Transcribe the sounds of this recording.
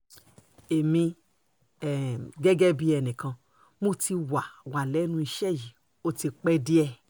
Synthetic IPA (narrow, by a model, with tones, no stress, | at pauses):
e˨mĩ˧ | ɛ˨ɡɛ˦ɡɛ˦bi˧ɛ˧˨nĩ˨kã˧ | mo˦ti˧wa˨wa˨lɛ˨˦nũ˧i˧ʃɛ˦˨ji˨ | o˦ti˧k͡pɛ˦di˦ɛ˧˨